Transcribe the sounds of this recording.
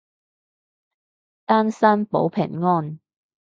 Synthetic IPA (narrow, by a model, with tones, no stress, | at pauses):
t̪aː˥nsɐ˥npo̰˨˥wpʰɪ̰˨˩ŋŋɔː˥n